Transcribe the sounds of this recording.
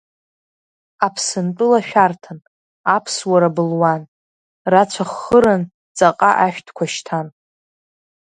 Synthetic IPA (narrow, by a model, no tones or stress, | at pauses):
apʰsɨnt͡pʼɨlaʃᶣartʰɨn | apʰswaɾabɨlwan | rat͡ɕʷʰaχːəɾan | t͡sʼaqʼaʔaʃᶣtʰkʷʰaʃtʰan